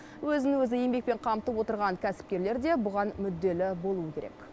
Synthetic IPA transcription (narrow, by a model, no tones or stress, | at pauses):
wɵzɪnɪwɵzɪje̞mbe̞k̚pe̞ɴqʰɑmt̪əpwo̞t̪əɾʁɑŋkʲʰæsɪ̥p̚kʲe̞ɾleɾd̪e̞bʊʁɑnmʏd̪ːe̞lɪbo̞lˠuəkʲʰe̞ɾek